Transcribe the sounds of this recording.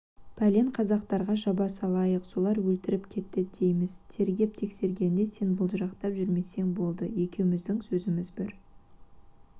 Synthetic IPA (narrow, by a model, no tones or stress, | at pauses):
pʰæle̞ɴqʰɑzɑqt̪ɑɾʁɑʒɑbɑsɑlˠɑjəqso̞lˠɑɾwɵlt̪ɪɾɪpkʲʰe̞t̪ːɪd̪̥ejmɪz̥t̪ʰe̞ɾɡʲe̞p̚t̪ʰe̞kse̞ɾɡʲe̞nːe̞se̞nbʊlˠʒɑqt̪ɑpʒʏɾme̞se̞ŋbo̞lˠd̪əje̞kʲe̞wɪmɪzd̪ɪŋsɵzɪmɪzbɪɾ